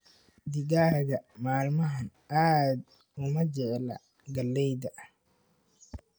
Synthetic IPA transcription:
d̪ɪɡaːɣɐmaːlmɐɦɐn | aːd̪ | ʊmɐd͡ʒɛʔlɐ̰ | ɡɐlːɛjd̪ɐʔ

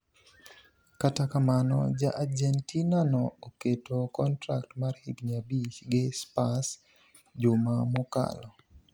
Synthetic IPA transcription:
katakamanɔ̰d͡ʒa̰ʔad͡ʒɛntinanɔoketokɔntɾak̚tmarhiɡɲabit͡ʃɡɪspas | d͡ʒʊmamoka̰lɔ

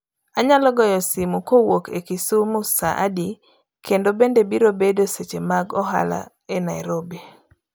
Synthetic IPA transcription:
aɲalɔɡɔjɔsimukowokʰekisumʊsa̰ʔa̰di | kendobendebiɾobedoset͡ʃemaɡɔɦa̰la̰ | enajɾobe

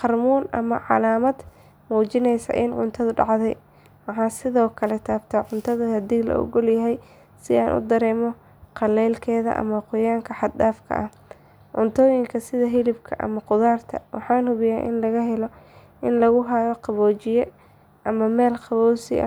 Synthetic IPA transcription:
qɑrmuːnʔɐmɐ̰ʕɑ̰laːmɐd̪ | muːt͡ʃɪnɛjsɐ̰ʔɪnʕʊ̰nt̪ʰɐðʊɖɑ̰ʕðɛj | wɑħɑːsɪðɔːkʰɐlɛt̪ʰaːbt̪ʰaʕʊnt̪ʰɐðɐhɐd̪iːlɐ̰ʔɔ̰ɣɔljɐɦɛj | sɪaːnʔʊ̰d̪ɐɾɛːmɔ | qɑlɛːlkʰɛːðɐ̰ʔɐ̰mɐqʊjaːŋkʰɐħɑd̪̚daːfkʰɐ̰ʔɐh | ʕʊnt̪ʰɔːjɪŋkʰɐsɪðɐɦɪlɪbkʰɐ̰ʔɐ̰mɐqʊðaːrt̪ʰɐ̰wɑħɑːnhʊβɪjaːʔɪ̰nlɐɣɐɦɛlɔ | ʔɪnlɐɣʊɦɐjɔqɑβɔːt͡ʃɪjɛ | ʔɐmɐmɛːlqɑβɔːsɪ̰ʔɐ̰

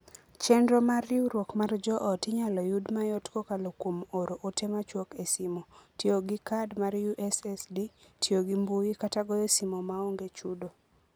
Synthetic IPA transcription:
t͡ʃɛndɾomarɪuɾwokmard͡ʒɔʔɔtɪɲalɔjudmajɔtkokalokwomoɾoʔotemat͡ʃwokesimotjoɡikadmarjuʔɛsɛsditʰjoɡimbuikataɡɔjesimomaoŋɡet͡ʃudo

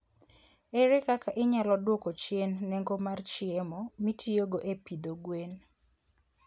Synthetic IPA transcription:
eɾɛkakaʔɪɲalɔdwokot͡ʃjenːeŋɡomart͡ʃɪemɔmitʰioɡoʔepid̪oɡwen

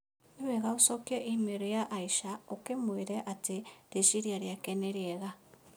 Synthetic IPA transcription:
eβeɣausokjeʔimeɾojaʔːiʃaokemweɾeʔatiɾeʃiɾjaɾjakeneɾjeɣa

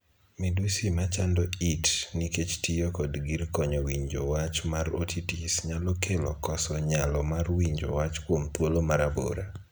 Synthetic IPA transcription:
midusimat͡ʃandɔitniket͡ʃtijokɔdɡirkɔɲɔwiɲd͡ʒowat͡ʃmaɾotʰitisɲalokʰelɔkɔsɔɲalɔmarwiɲd͡ʒo̰wat͡ʃkwomt̪wolomaɾabo̰ɾa

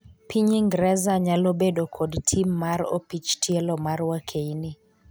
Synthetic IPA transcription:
pʰiɲiŋɡɾɛzaɲalobedokʰɔdtʰimːaɾo̰pit͡ʃtʰiɛlɔmarwakʰeini

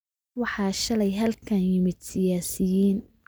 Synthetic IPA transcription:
wɑħɑːʃɐlɛjɦɐlkʰɐnjɪmɪd̪̚sɪjaːsɪjiːn

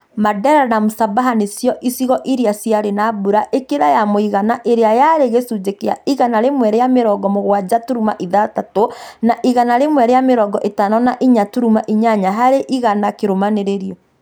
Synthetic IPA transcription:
madɛɾanamosabaɦanesjɔʔisiɣɔʔiɾeasiaɾenabuɾaʔekeɾajamoiɣanaʔeɾeajaɾeɣesud͡ʒekea̰iɣanaɾemwɛɾejameɾɔɡɔmoɣwad͡ʑatuɾumaʔiðatatonaʔiɣanaɾemwɛɾejameɾɔɡɔʔetanɔnaʔiɲatuɾumaʔiɲaɲaɦaɾeʔiɣanakeɾomaneɾeɾiɔ

